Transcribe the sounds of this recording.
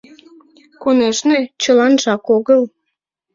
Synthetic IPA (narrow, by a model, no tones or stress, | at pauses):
koneʃnet͡ɕəlɑnʒɑkoɣəl